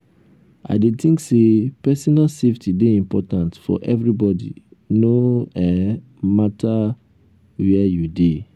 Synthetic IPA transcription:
ʔa̰ɪdetʰĩŋksepɛsɔnalseftideĩmpɔtãntfɔ̰ʔɛvɹibɔdḭnoɛ | matʰa | wɛjude

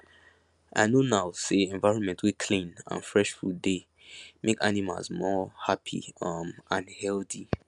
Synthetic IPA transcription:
ʔa̰ɪnonaʊseɛ̃nvaɪɹɔ̃nmɛ̃ntwikʰlĩnã̰nfɹɛʃfɹude | mʔeka̰nima̰lzmɔhapʰḭʌmãnhɛlθi

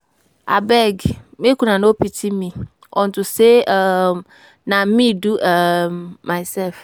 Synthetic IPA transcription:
a̰bɛɡmekunãnopitʰimĩ | ʔɔ̰ntuse | nãmĩduʔːaɪsɛlf

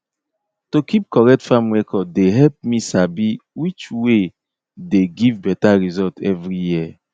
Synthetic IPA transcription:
tokʰip̚kɔɾɛk̚tfamwekʰɔdeɦɛlp̚misabiwit͡ʃwe | deɡivbɛtaɾizɔltʰɛvɾijiɛ

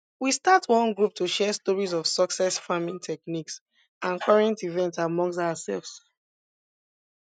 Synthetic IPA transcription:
wistatʰwɔ̃nɡɹup̚tʰuʃɛstɔɹizɔv̥sɔksɛsfamĩŋtʰɛkniks | ãnkʰɔɹɛ̃ntivɛ̃ntamɔ̃ŋs̬taasɛ̰lvs

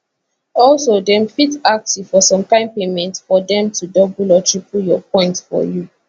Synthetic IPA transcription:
ɔlsodɛ̃mfitak̚tufɔsɔ̃mkãɪ̃mpemɛ̃ntfɔdɛ̃mtʰudɔbulɔtʰɹipʰuljɔpʰɔ̃ɪ̃ntfɔ̰ju

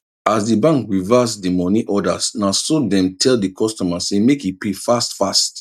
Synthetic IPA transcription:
asdibãŋkɹivasdimɔniʔɔda̰snasɔdɛ̃mtʰɛldikʰɔstɔmasemekipefastfast

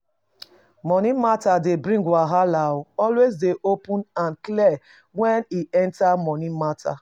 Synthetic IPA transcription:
mɔnĩmatadebɾĩŋɡwaɦalaʊɔlwezdeʔopʊnanklɛ | wɛniɛ̃ntamɔnĩmatʰa̰

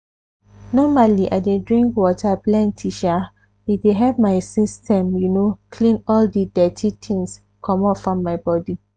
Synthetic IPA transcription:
nɔmaliʔa̰ɪdedɹĩŋkwɔtʰaplɛ̃ntʰiʃa | ideɦɛvmaɪsistʰɛ̃mjunokʰlĩnɔldidɛtʰitʰĩŋs | kʰɔ̃mɔfɹɔ̃mːaɪbɔdi

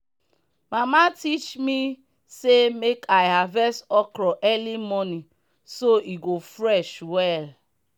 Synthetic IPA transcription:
mamatit͡ʃmi | semekʰaɪɦavɛsɔkɾɔʔɛlimɔni | soiɡofɾɛʃwɛl

